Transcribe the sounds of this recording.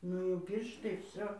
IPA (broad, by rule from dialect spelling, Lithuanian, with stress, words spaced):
ˈnʊ jɛʊ ˈpʲiːrʃtɐɪ ˈʋʲsʲoː